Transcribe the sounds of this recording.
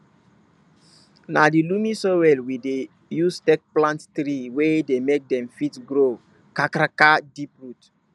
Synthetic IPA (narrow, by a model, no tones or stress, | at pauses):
nadilumisowɛlwide | justɛk̚plãnttɾiwedemek̚dɛ̃mfitɡɾo | kakɾakadipɹut